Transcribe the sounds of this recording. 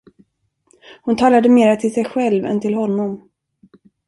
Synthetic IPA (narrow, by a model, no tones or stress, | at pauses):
hʊnt̪ʰɑːlad̪əmeːɾat̪ʰɪlsɛjɧɛlvɛ̰nt̪ʰɪlɦɔnːɔm